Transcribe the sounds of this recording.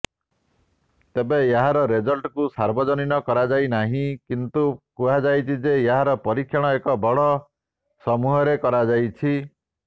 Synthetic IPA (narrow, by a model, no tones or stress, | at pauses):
t̪ebejeɦaɾɔɾed͡ʒɔlʈkusaɾbɔd͡ʒɔninɔkɔɾad͡ʒajnaɦĩkint̪ukuɦad͡ʒajt͡ʃʰid͡ʒejaɦaɾɔpɔɾikʰːjɔɽ̃ɔekɔbɔɽɔ | sɔmuɦɔɾekɔɾad͡ʒajt͡ʃʰi